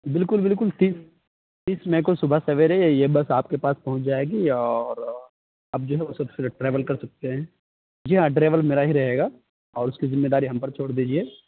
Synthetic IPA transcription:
bɪlkʊlbɪlk̬ʊlt̪iːs | t̪iːsmɛ̃ːk̬osʊbʱasɐʋeɾɛejebɐsaːp̚kepaːspɐɦʊ̃ɲt͡ʃd͡ʒaːeːɡiɔːɾ | ɐb̚d͡ʒoːɦɛʋosɐbseʈɾeːʋəlkɐɾsɐk̚t̪eɦɛ̃ː | d͡ʒiɦãʈɾeːʋəlmeːɾaɦiɾɐɦeːɡaː | ɔːɾʊskizɪmːeːd̪aːɾiɦɐ̃mpɐɾt͡ʃʰoːɽd̪iːd͡ʒieː

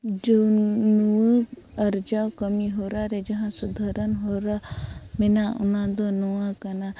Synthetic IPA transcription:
d͡ʒonu | ɐɾd͡ʒaokəmiɦoːɾaːɾed͡ʒɐɦãsʊd̪ʱəɾənɦoːɾamɪnaʔʊ̰nãd̪onuãkɐna

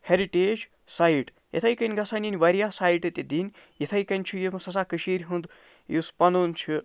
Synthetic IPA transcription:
heɾiʈeːd͡ʒ | saiʈ | jḛt̪ʰɐjkɐnʲɡɐsɐnʲinʲʋɐɾijaːsaːiʈɐt̪ʲed̪inʲ | jet̪ʰɐjkɐnʲt͡ʃʰujemɐsɐs̬aːkɨʃiɾʲɦund̪ | juspɐnuːnt͡ʃʰu

